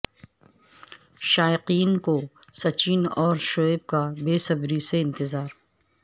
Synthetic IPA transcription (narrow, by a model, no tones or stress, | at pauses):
ʃaːɪqiːnko | sɐt͡ʃiːnɔːɾʃoːeb̚kabeːsɐbɾiseɪ̃nt̪ɪzaːɾ